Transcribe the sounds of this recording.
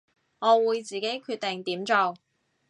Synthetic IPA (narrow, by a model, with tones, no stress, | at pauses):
ŋɔː˨˧wuː˨˧jt͡siː˨ke˨˥jkʰyː˧t̚t̪e˨ŋt̪iː˨˥mt͡sɔː˨˧w